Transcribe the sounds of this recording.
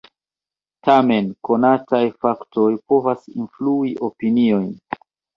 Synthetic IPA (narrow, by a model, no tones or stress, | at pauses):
tʰame̞nko̞natajfaktʰo̞jpo̞vasḭnfluiʔopinio̞jn